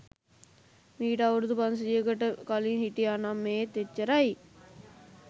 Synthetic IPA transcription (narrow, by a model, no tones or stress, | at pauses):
miːʈaʋuɾd̪upɐns̬əd͡ʒiəkəʈəkɐliːnɦiʈianamːeːt̪et͡ʃːəɾai